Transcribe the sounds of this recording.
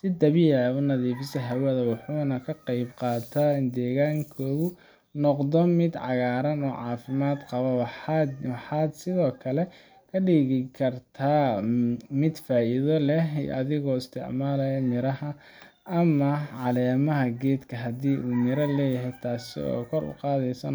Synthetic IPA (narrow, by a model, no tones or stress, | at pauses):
sɪd̪ɐβɪjɐʊnɐðiːfɪsɐɦɐwɐðɐwʊħuːnɐkʰɐqɑjbqɑːt̪ʰaːɪnd̪ɛːɣaːŋkʰɔːɣʊ | nɔqd̪ɔmɪd̪ʕɑ̰ɣaːɾɐnɔːʕɑːfɪmaːd̪qɑβɐwwħɑːd̪sɪðɔːkʰɐlɛ | kʰɐɖiːɣɪkʰɐrt̪ʰaː | mɪd̪faːʔɪðɔlɛɦḭʔɐðɪɣɔːɪst̪ʰɪ̰ʕmaːlɐjɐnɪɾɐhɐ | ɐmɐʕɑlɛːmɐɦɐɡɛːd̪kʰɐɦɐd̪iːʔuːnɪɾɐlɛːjɐɦɛjt̪ʰaːsɪ̰ɔ̰ːkʰɔrʊ̰qɑːðɛjsɐn